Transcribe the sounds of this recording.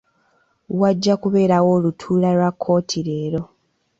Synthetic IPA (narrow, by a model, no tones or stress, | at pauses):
waɟːakuβe̞ːɾawo̞ːlutʰuːlalwakʰːo̞ːtʰiɾe̞ːɾo̞